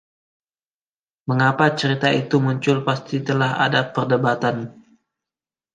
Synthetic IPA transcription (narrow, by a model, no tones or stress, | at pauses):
məŋapat͡ʃəɾit̪ait̪umuɲt͡ʃʊlpast̪it̪əlaɦa̰dapərdəbat̪an